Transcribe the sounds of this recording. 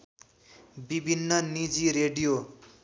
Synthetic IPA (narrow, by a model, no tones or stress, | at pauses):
bibʱinːʌnid͡ziɾeɖijo